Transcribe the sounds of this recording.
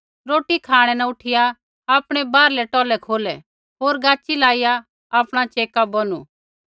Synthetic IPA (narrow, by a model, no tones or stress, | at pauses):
ɾoːʈikʰaːɽ̃ɛnaʊʈʰɪjaː | pɽ̃ɛbaːɾlɛʈɔːlɛkʰoːlɛ | ɦoːɾɡaːt͡ʃilaːɪja | aːpɽ̃at͡ʃeːkabɔnṵ